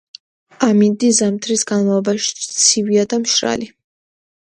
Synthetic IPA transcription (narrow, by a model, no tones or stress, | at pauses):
amind̪izamt̪ʰɾisɡanmalˠɔbaʃi̥t̪sʰiviad̪amʃɾa̰li